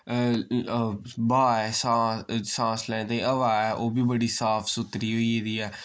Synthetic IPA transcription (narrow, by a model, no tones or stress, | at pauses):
baːɛːsãːsãːslɛ̃ːt̪aĩʔəʋaːɛːʔoːbiːbəɽiːsaːpʰsʊt̪ɾiːɦoːiːd̪iːɛː